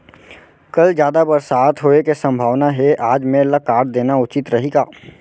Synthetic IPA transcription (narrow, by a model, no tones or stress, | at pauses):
kɐld͡ʒjaːd̪abɐɾsaːt̪ʰɦoːekesɐ̃mbʱaːʋnaɦeʔaːd͡ʒmẽlɐkaːɾd̪eːnaʊt͡ʃɪt̪ɾɐɦiɡaː